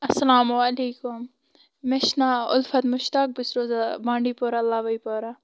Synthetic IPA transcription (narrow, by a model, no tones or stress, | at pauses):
ɐsɐlaːmwaleːkʊm | meʃnaʊ̰lfɐt̪mʊʃt̪aːk̚bɪsɾoːzabãːɳɖipoːɾalːaːʋɐipoːɾa